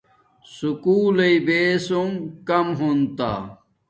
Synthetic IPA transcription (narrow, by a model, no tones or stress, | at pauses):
sukuːlɐibeːsumkɐmɦunt̪a̰ː